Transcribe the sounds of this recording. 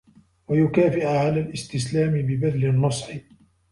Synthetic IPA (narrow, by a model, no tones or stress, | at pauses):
wajʊkaːfɪʔʕalaːlʔɪst̪ɪslaːmɪbɪbad̪lɪnːɑsˤħɪ